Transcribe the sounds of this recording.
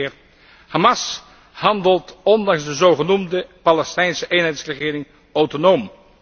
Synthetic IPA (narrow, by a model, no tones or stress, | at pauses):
ɪːr | hɑmɑs | hɑndəlˠtɔndɑŋzdəzowχənumdəpalɛstɛjnsəʔejnɦɛjtsrəχɪːɾɪŋ | owtonowm